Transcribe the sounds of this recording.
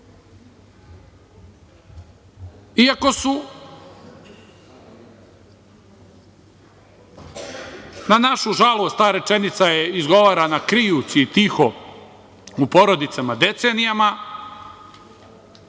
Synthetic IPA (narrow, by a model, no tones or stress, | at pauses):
iako̞su | nanaʃuʒalˠost̪aːɾe̞t͡ʃe̞nit̪sajeizɡo̞ʋaːɾanakɾijusiːt̪ixo̞ | upo̞ɾo̞d̪it̪samad̪e̞t̪senijama